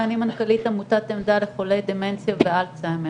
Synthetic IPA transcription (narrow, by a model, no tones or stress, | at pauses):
animankalit̪amut̪at̪emd̪aleχolejd̪ement͡sjavealt͡saeme